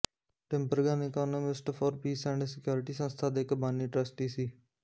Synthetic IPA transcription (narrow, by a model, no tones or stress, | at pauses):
ʈɪ̃mpəɾɡaːnekaːnomɪsʈfʰɔːɾpiːsɛ̃ːɳɖsɪkjoːɾɪʈiːsə̃nst̪ʰaːd̪eːɪkbaːniːʈɾəsʈiːsiː